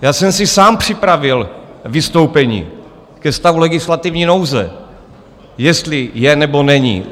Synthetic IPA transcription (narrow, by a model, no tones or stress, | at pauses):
jaːsɛmsɪsaːmpr̝̥ɪpɾavɪlvɪst̪o̞wpɛɲḭː | kɛst̪avulɛɡɪslat̪ɪvɲiːno̞wzɛ̰ | jɛst̪lɪjɛnɛbo̞nɛɲḭ